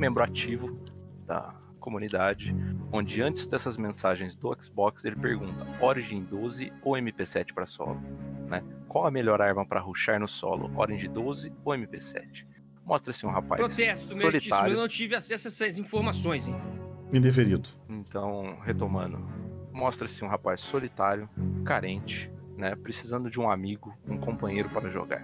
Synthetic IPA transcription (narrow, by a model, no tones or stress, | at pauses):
mẽmbɾʊat͡ʃivʊd̪̥ɐ̰ | komũnid̪ad͡ʒɪõd͡ʒɪɐ̃t͡ʃɪ̥zd̪ɛsɐzmẽsaʒẽj̃zd̪ʊɛksbɔkselɪpeɾɡũnt̪ɐɔɾiʒẽj̃d̪ozɪowẽmɪpesɛt͡ʃɪ̥pɾɐsɔ̰lʊ̰nɛkwawɐmeʎɔɾaɾmɐ̃pɾɐɦuʃaɾnʊsɔ̰lʊ̰ʔɔ̰ɾẽj̃d͡ʒɪd̪ozɪowẽmɪpesɛ̰t͡ʃɪ̥ | mɔst̪ɾɐsɪũɦapa̰pɾost̪ɛsʊt̪ʊmssolitiaɾewʊnɐ̃w̃t͡ʃivɪasɛsɛsɐzĩfoɾmasõj̃zĩmĩd̪efeɾid̪ʊ | ẽt̪ɐ̃w̃het̪omɐ̃nd̪ʊ̰mɔst̪ɾɐsɪũɦapajsːolit̪aɾjʊkaɾẽnt͡ʃɪ̥nɛpɾesizɐ̃nd̪ʊd͡ʒɪũamiɡʊũkõmpɐ̃ɲejɾʊpaɾɐʒo̰ɡa̰ɾ